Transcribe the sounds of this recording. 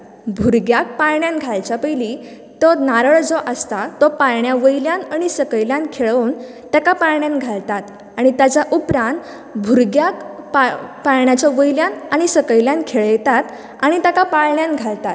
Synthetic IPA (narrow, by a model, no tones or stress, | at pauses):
bʱuɾɡjak̚pajɳjãnɡʱajt͡ɕapəjli | t̪ɔnaɾəɭd͡zɔʔəst̪at̪ɔpajɳjaʋəjljanaɽ̃isəkəjljãnkʰeɭoːn | t̪jakapajɳjãnɡʱalt̪at̪ | aɽ̃it̪jat͡ɕaʔupɾãnt̪ | bʱuɾɡjakpapajɳjat͡ɕaʋəjljãnaɽ̃isəkəjljãnkʰeɭjɛt̪at̪ | aɽ̃it̪akapaɭɳjãnɡʱalt̪at̪